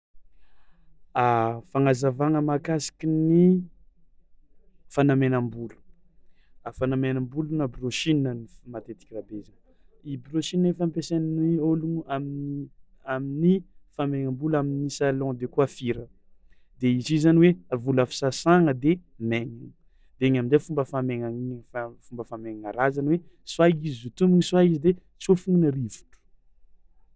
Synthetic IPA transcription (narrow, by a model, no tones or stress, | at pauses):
afaŋazavaŋəmakasi̥kʲini | fanamenãmbulu̥ | afanamenãmbulunabroʃininənimat̪et̪i̥kʲirabeza | ibɾoʃinnefampesanioluŋamin | aminifameŋãmbulaminisalɔ̃d̪ekuafiɾə | d̪̥eizizanweavulafi̥sasaŋəd̪e | meŋiŋ | d̪̥eeɲaminzefumbəfameŋaifafumbəfameŋaŋaɾazanwe | swaizizut̪umiŋiswaizid̪et͡siofuŋinərivu̥ʈ͡ʂu̥